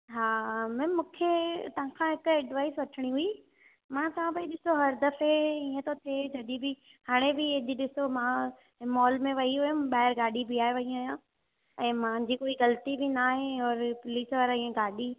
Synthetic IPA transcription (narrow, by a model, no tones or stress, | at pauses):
ɦaːmɛ̃ːmũːkʰet̪ɐɦãkʰãːɦɪkɛɖʋaːɪsʋɐʈʰɪɽ̃iɦʊi | mãt̪ɐʋ̤ãpɐiɗɪsoɦɐɾd̪ɐfeĩːə̃t̪ot̪ʰed͡ʑɐɗibɪ | haːɽ̃ebɪɪʄɗɪsomã | ɪmɔːlmẽʋɐiɦʊjʊmɓaːɦɪɾɡaːɗibɪaːɦeʋɐɦĩaːɦjã | ɛ̃ːmãːd͡ʑikoːiɣɐlt̪ibɪnaːɦeɔːɾpʊliːsʋəɾĩẽɡaːɗi